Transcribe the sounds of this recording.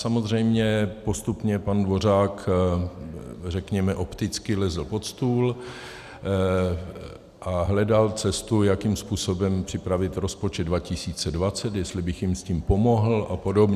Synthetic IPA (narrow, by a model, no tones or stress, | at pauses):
samo̞zr̝ɛjmɲɛpo̞st̪upɲɛpandvo̞r̝aːk | r̝ɛkɲɛmɛʔo̞pt̪ɪt͡skɪlɛzl̩po̞t̪st̪uːl | ʔaɦlɛdalt͡sɛst̪ujakimspuːso̞bɛmpr̥ɪpɾavɪt̪ɾo̞spo̞t͡ʃɛd̪dvacɪsiːt͡sɛdvat͡sɛt̪jɛst̪lɪbɪxjɪmsciːmpo̞mo̞ɦl̩apo̞dobɲɛ